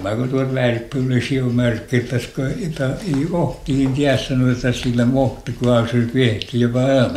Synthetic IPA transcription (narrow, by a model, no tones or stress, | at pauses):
mækot̪uolt̪ʋæːrkːiolesiomærkːet̪æskojot̪ːɑeioht̪ihint̪iæssɑnoet̪ːɑsilːæmoht̪ikuɑselpieht̪ijopɑ